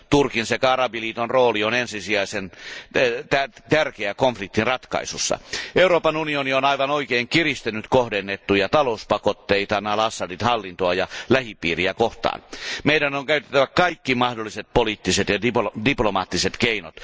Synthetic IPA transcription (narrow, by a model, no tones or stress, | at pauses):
t̪urkinsekɑrɑbiliːt̪onroːlionensisiɑisen | t̪æt̪ærkeækoɱflik̚t̪inrɑt̪kɑ̰isusːɑ̰euɾoːpɑnunionionɑiʋɑnoikeːŋkirist̪enyt̪kohdenːet̪ːujɑt̪ɑlouspɑkot̪ːeit̪ɑnɑlɑsːɑdit̪hɑlːint̪oɑjɑlæhipiːriækoht̪ɑ̰ːnmeidænoŋkæyt̪e̥t̪ːæʋækɑikːimɑhdolːiset̪̚poliːt̪ːiset̪jɑdipdiplomɑːt̪ːiset̪keino̰t̪